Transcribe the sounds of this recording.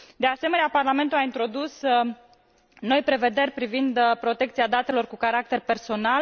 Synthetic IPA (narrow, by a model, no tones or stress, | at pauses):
d̪e̞ase̞me̞neaparlame̞nt̪uaint̪ɾo̞d̪us | no̞jpɾe̞ve̞d̪e̞rʲpɾivind̪pɾo̞t̪e̞k̚t̪siad̪at̪e̞lo̞rkukaɾak̚t̪e̞rpe̞rso̞nal